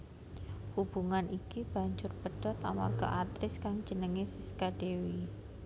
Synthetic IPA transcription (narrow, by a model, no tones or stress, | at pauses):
hub̥uŋanʔikib̥a̤ɲd͡ʒʊrpəɖ̥ɔt̪a̰ma̰rɡ̥a̰ʔat̪ɾɪskaŋ̥d͡ʒənəŋesiskaɖ̥ewi